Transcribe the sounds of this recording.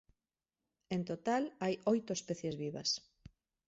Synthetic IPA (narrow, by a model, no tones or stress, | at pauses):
ent̪ot̪alajojt̪ʊespɛθjezβiβɐ̰s